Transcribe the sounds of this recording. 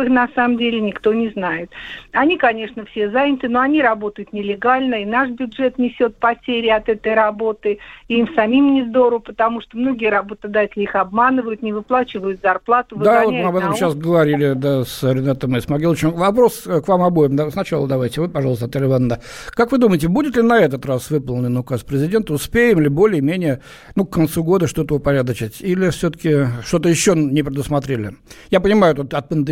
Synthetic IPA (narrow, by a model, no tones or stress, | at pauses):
ɨxnɐsaməmdʲelʲɪnʲɪkt̪o̞nʲɪznajɪt̪ɐnʲikɐnʲe̞ʂnəfsʲe̞zanʲɪt̪ɨno̞ɐnʲiɾɐbo̞t̪əjʊt̪nʲɪlʲɪɡalʲnəɪnaʂbʲʊdʐɛt̪nʲɪsʲo̞t̪̚pɐtʲeɾʲɪɪɐt̪ɛt̪əjɾɐbo̞t̪ɨɪimsɐmʲimʲnʲɪzd̪o̞ɾʊpət̪ɐmuʂt̪omno̞ɡʲɪjəɾɐbo̞t̪əd̪atʲɪlʲɪixɐbmanɨvəjʊt̪nʲɪvɨplˠat͡ɕɪvəjʊt̪zɐrplˠat̪ʊvd̪avotʲmɨɐbɛt̪əmɕːasɡəvɐɾʲilʲɪd̪asɾʲɪnat̪əmɨsmɐɡʲilˠət͡ɕɪmvɐpɾo̞skvamɐbojɪmd̪asnɐt͡ɕalˠəd̪ɐvajtʲɪvɨpɐʐɑlˠst̪ɐt̪alʲɪvanːə | kakvɨd̪uməjɪtʲɪbudʲɪt̪lʲɪnɐɛt̪ət̪rasvɨpəlˠnʲɪnʊkaspɾʲɪzʲɪdʲe̞nt̪əʊspʲejɪmlʲɪbo̞lʲɪjəmʲenʲɪjə | nukːɐnt̪suɡo̞d̪əʂt̪o̞t̪əʊpɐɾʲad̪ət͡ɕɪtʲilʲɪfsʲot̪ə̥kʲɪʂt̪o̞t̪əjɪɕːonʲɪpɾʲɪd̪ʊsmɐt̪ɾʲelʲɪ | japənʲɪmajʊt̪ot̪ɐt̪̚pənd̪ɨ